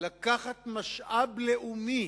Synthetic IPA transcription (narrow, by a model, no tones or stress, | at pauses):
lakaχat̪maʃʔableʔumi